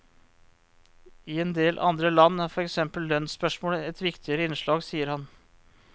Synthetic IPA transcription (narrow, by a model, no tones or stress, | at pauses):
ɪɛnd̪eːlʔɑ̰nd̪ɾəlɑnːæɾfɔɾɛksɛmpəlːœnspœʂmoːləɛt̪ʋɪkt̪ʰɪəɾəɪnʂɭɑːɡsiːəɾhɑn